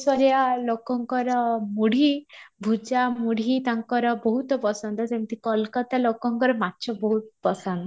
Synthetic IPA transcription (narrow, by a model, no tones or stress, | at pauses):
sɔɾjalokɔŋkɔɾɔmuɽ̤ʱibʱud͡ʒamuɽit̪aŋkɔɾɔbɔɦut̪ɔpɔsɔnd̪ɔd͡ʒemt̪ikɔlkɔt̪alokɔŋkɔɾɔmatːʃʰɔbɔɦut̪pɔsand̪ɔ